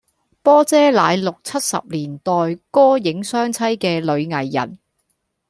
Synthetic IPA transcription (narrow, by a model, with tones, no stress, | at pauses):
pɔː˥t͡sɛː˥laː˨˧jlʊ˨k̚t͡sʰɐ˥t̚sɐ̰˨p̚liː˨˩nt̪ɔː˨jkɔː˥jɪ˨˥ŋsœː˥ŋt͡sʰɐ˥jkɛː˧lɵ˨˧ɥŋɐ˨˩jːɐ̰˨˩n